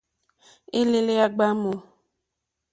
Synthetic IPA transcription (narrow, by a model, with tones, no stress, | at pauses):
i˦le˦le˦a˦ɡ͡ba˦mo˨